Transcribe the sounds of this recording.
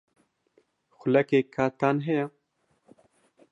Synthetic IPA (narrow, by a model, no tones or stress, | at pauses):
xʊlɛkeːkʰaːt̪aːnɦɛja